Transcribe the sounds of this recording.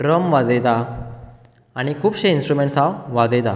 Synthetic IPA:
ɾəmʋad͡zet̪a | aɽ̃ikʰuːpɕeinsʈɾumeɳʈsawʋad͡zet̪a

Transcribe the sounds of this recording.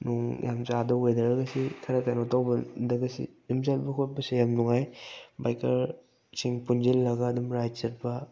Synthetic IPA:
nuŋjʔamt͡ʃadɐwojdɐɾɐɡɐsikʰɐɾɐkajnotawbɐdɐɡɐsḭjumzat̚bɐkʰot̚pɐsijamnuŋajbajkʰɐɾ | siŋpunzilːɐɡɐːdumɾajt͡ʃɐt̚bɐ

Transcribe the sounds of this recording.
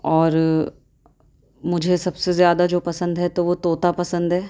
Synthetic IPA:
ɔːɾ | mʊd͡ʒʱesɐbsezjaːd̪ad͡ʒoːpɐsə̃nd̪ɦɛt̪oʋot̪oːt̪apɐsə̃nd̪ɦɛː

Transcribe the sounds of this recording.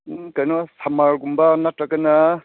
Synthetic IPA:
kajnɔsamaɾɡumbanatɾakana

